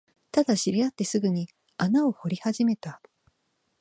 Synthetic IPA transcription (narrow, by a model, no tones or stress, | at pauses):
t̪ad̪aɕiɾʲiat̪ːe̞sɨɡɯ̟ɲ̟i | anao̞ho̞ɾʲihaʑime̞t̪a